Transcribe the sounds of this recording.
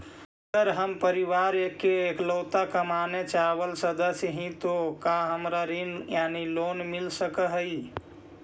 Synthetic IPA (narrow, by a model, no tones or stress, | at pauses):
ɡəɾɦəmpəɾiʋaːɾekːeːkloːt̪akəmaːnet͡ʃaːwəlsəd̪əsjəɦĩt̪okaɦəmɾaɾinjaːniloːnmɪlsəkəɦəi